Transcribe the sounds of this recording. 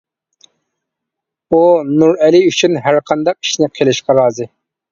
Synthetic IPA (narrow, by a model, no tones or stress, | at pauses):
unuɾɛlɪyt͡ʃʰynɦæɾqʰɑnd̪ɑq̚i̥ʃnɪqʰelɪʃqɑɾɑːzɨ